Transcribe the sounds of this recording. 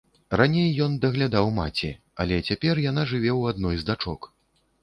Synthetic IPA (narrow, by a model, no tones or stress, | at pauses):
ranʲejːɔnd̪ɐɣlʲad̪awmat͡sʲi | a̰lʲɛt͡sʲapʲɛrjan̪aʐɨvʲɛwad̪nɔjzd̪at͡ʂɔk